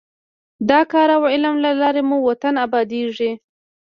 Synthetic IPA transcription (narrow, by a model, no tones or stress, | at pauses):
d̪ɑkɑɾawɪlamlalɑɾemuwat̪anabɑd̪eʐi